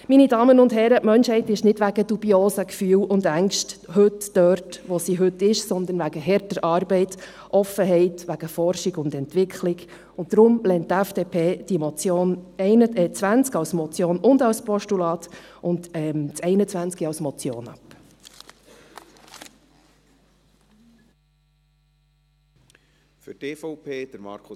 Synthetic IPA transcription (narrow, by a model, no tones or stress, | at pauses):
minidɑːmənʊndɦɛɾəmœnʃhɛɪtɪʃnɪdʋæɡəd̥ubioːsəkfyːwʊndæŋʃthɵtd̥œrtʋɔsiɦɵtːɪʃsɔnd̪ənʋæɡ̥əɦɛɾtəɾʔɑːɾbɛɪt | ʔɔfːəɦɛɪtʋæɡ̥əfɔɾʃɪɡʊnd̪ɛntʋɪkχlɪɡ | ʊn̚dɾʊmlɛnttːæfd̥eːpʰeːd̥imɔt͡sjoːnɛɪnəɛt͡sʋænt͡skɑʊsmɔt͡sjoːnʊndɑwspɔʃtulɑːt̪ʔʊndɛmt͡sɛɪnət͡sʋænt͡skiɑʊsmɔt͡sjo̰ːnɑ̰p | fʏteːfɔʊpʰeːd̥̪əɾmɑ̰ːɾkʰʊ